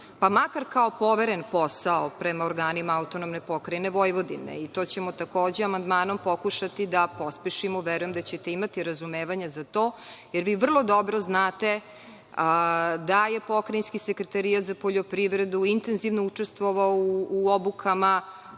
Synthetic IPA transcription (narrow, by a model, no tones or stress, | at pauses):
pamakaɾkaopo̞ʋeɾenpo̞saopɾemaoɾɡaːnimaaut̪o̞nomne̞po̞kɾajne̞ʋo̞jʋo̞d̪inḛit̪oːt͡ɕe̞mot̪ako̞ːd͡ʑeamand̪maːno̞mpo̞kuʃat̪id̪apo̞spiʃimoʋeɾujemd̪at͡ɕet̪e̞imat̪iɾazumeːʋaɲazat̪o̞ːjeɾʋiːʋr̩lˠo̞d̪obɾoznaːt̪e | d̪ajepo̞kɾajinskisekɾet̪aɾijat̪zapoʎo̞pɾiʋɾe̞d̪uint̪enziʋnout͡ʂest̪ʋoʋaouuobukʰama